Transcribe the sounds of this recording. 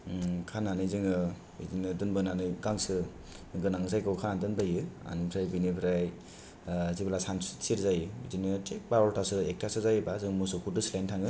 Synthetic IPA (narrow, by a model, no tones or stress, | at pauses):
kʰananɯzɯŋɯ | ḭzinɯdɯnbɯnanɯɡaŋsɯ | ɡɯnaŋsajkɯwkʰanandɯnbajɯa̰nɯmpʰɾajbinipʰɾaj | ziblasani̥siɾzajɯizinɯtʰek̚bawaltasɯek̚tʰasɯzajɯbazɯŋmusokʰudɯslajntʰaŋɯ